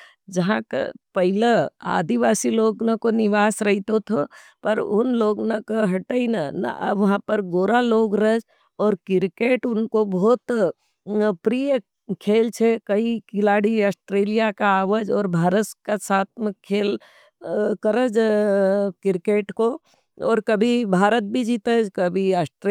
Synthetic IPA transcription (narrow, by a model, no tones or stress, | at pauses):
d͡ʒəɦãkḛpɐɦilea̰ːd̪iʋaːsiloːɡnakonɪʋaːsɾəɦit̪ot̪ʰopəɾʊnloːɡnakeɦɐʈəinana̰ʔʋɐɦãpəɾɡoːɾaloːɡɾəd͡ʒ | ɔːɾkɪɾkeːʈʊnkobɔːt̪ | pɾijə | kʰeːlt͡ʃʰekəikɪlaːɽiasʈɾeːlijakaaːʋəd͡ʒɔːɾbʱaːɾət̪kasaːt̪ʰmẽkʰeːl | kəɾəd͡ʒ | kɪɾkeːʈko | ɔ̰ːɾkəbʱibʱaːɾət̪̚bʱid͡ʒit̪əd͡ʒkəbʱiasʈɾe